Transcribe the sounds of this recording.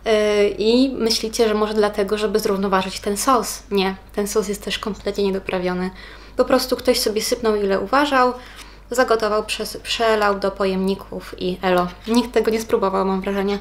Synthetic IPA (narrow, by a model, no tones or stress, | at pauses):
imɘɕlʲit͡ɕɛʐɛmɔʐɛd̪lat̪ɛɡɔʐɛbɘzɾuvnɔvaʐɘt͡ɕt̪ɛnsɔsɲɛt̪ɛnsɔs̬jɛst̪ːɛʂkɔmplɛt̪ɲɛɲɛd̪ɔpɾʔavʲjɔnɘ | pɔpɾɔst̪ukt̪ɔɕsɔbʲjɛsɘpnɔwilɛʔuvaʐaw | zaɡɔt̪ɔvawpʂɛspʂɛlawd̪ɔpɔjɛmɲikʰufiʔɛlɔɲik̚t̪ːɛɡɔɲɛspɾubɔvawmamvɾaʐɛɲa